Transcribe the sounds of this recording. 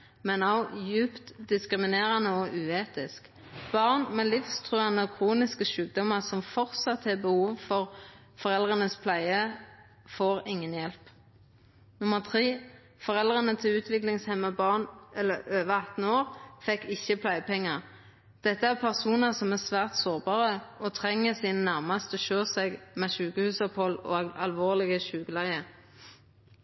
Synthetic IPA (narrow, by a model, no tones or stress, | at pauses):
mɛnɑʊjʉːpt̪d̪ɪskʁɪmɪneːʁənəɔʔʉːeːt̪ɪsk | b̥ɑːʁnmɛlɪfst̪ʰʁøːənəkʰʁuːnɪskəʃʉːk̚d̪ɔməʁsɔmfɔʁt̪sɑt̪hɛbəhuːʋfɔʁ | fɔʁɛld̪ʁənəspʰlæɪə | foːʁɪŋːənjɛlp | nʊməʁt̪ʰʁiː | fɔʁɛlʁənət̪ʰɪʉːt̪ʰʋɪklɪŋshɛməbɑːʁnʔɛlːəøːʋəɑt̪n̩oːʁfɛkːɪçːəpʰlæɪpʰɛŋːəʁ | d̪̥ɛt̪ːəæʁpʰæʁsuːnəsɔmæʁsʋæːʁt̪soːʁbɑːʁəʔɔt̪ʰʁɛŋːəsiːnənæʁmɑst̪ɔʃøːsɛɡmɛʃʉːkəhʉːsɔphɔlɔ̰ːɑlʋoːʁlɪɡəʃʉːɡəlæɪə